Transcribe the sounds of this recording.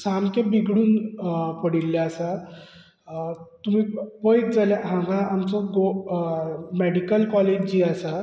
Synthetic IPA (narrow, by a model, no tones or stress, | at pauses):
samkẽbiɡɽuːnpəɽilːaasa | t̪um̤iːpəjt̪̚d͡zaljaɦãŋɡãamt͡sɔɡo | meɽikəlkɔled͡ʑd͡ʑiːasa